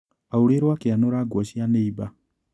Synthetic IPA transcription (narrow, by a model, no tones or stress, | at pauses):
auɾeɾwakeanoɾaːɡwɔɕianeiba